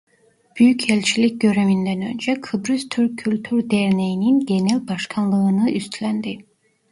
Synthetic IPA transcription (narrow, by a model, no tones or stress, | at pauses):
b̥yjycʰɛlʲt͡ʃʰilʲic̚ʲɟø̞ɾemynd̪ænø̞̰nd͡ʒɛkʰɯbɾyzt̪ʰyɾkʲʰːylʲt̪ʰyɾd̪ɛɾnejininɟe̞nælʲbɑʃkʰanlˠɯɯnɯʔyst̪ʰlʲænd̪i